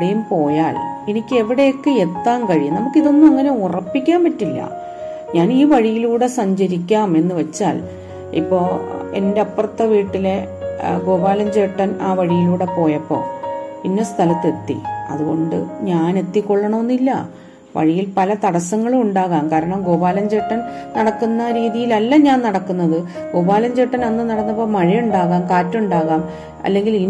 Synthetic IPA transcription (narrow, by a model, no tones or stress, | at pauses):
ɽejumpo̞ːjaːlenikʲːɨe̞ʋiɽejokːeet̪ːaːmkɐɻijunɐmukːiðo̞nːumɐŋːɐne̞urɐpːikʲːaːmpɐtːilːɐ̰ | ɲaːniːʋɐɻijiluːɽe̞sɐɲd͡ʑɐɾikʲːaːme̞nːɨʋɐt͡ɕːa̰ːl | ḭpːo̞ːe̞̰nde̞ɐpːrɐt̪ːɐʋiːʈːile̞ɡo̞ːbaːlɐmd͡ʑeːʈːɐnaːʋɐɻijiluːɽe̞po̞ːjɐpːo̞̰ːinːest̪ʰɐlɐt̪ːe̞t̪ːḭɐ̰ðuɣo̞ɳɖɨ̰ɲaːne̞t̪ːikːo̞ɭːɐɳomonːilːɐ̰ | ʋɐ̰ɻijilpɐlɐt̪ɐɽɐsɐŋːɐɭuuɳɖaːɣaːmkaːɾɐɳɐmɡo̞ːbaːlɐɲd͡ʑe̞ːʈːɐnnɐɽɐkːunːɐɾiːðijilɐlːɐɲaːnnɐɽɐkːunːɐðɨ | ɡ̥o̞ːbaːlɐmd͡ʑe̞ːʈːɐnenːɨnɐɽɐnːɐpːo̞ːmɐɻijuɳɖaːɣaːmkaːtːɐuɳɖaːɣaːm | ɐ̰lːe̞ŋɡilin